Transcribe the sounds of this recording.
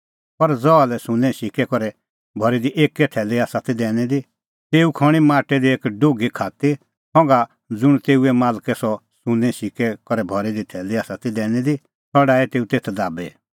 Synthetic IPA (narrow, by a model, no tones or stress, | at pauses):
pɐɾd͡zɔalɛsʊ̃nɛ̃ʃɪkɛkɔɾɛ | bʱɔɾid̪iʔeːkːɛʈʰɛːliaːsat̪id̪ɛːñɛd̪i | t̪eːukʰɔɽ̃imãːʈɛd̪ieːkɖoːɡikʰaːt̪i | sɔ̃ŋɡa | d͡zʊɽ̃t̪eːuɛmaːlkɛsɔ | sʊ̃nɛ̃ʃɪkɛkɔɾɛbʱɔɾid̪iʈʰɛːliaːsat̪id̪ɛːñɛd̪i | t̪ʰɔɽaːɛt̪eːut̪eːt̪ʰd̪aːbḛ